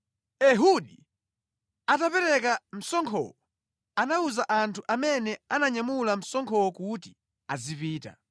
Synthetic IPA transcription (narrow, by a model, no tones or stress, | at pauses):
ɛɦuɗi | atapɛɾɛkam̩sɔŋkʰɔ̰wɔ | anauzaʔantʰuʔamɛnɛanaɲamulam̩sɔŋkʰɔwɔkuti̥ | azipiːta̰